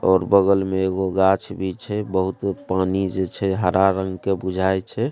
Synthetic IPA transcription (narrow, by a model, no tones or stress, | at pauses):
ɔːɾbəɡəlmeeɡoɡat͡ʃʰbʱit͡ʃʰɛbəɦut̪panid͡ʒet͡ʃʰɛɦəɾaɾəŋɡkebud͡ʒʱajt͡ʃʰɛ